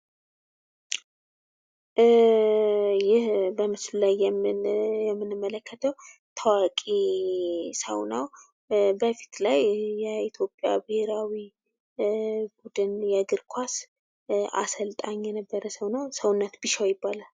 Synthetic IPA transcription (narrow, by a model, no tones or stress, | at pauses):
jɪhbəmɨslulaj | jɛmːɨnɨmːələkʰːət̪ʰəwt̪ʰəwakʼe | sə̰wna̰w | bəfi̥t̪lajjɛit̪ʰjo̞pʼːja̰bɨheɾawi | bud̪ɨnjɛɡɨɾkʷʰas | a̰səlt̪ʼaɲːjɛnəbːəɾəsəwnawsəwʊnːət̪bɨʃawjɪbːalal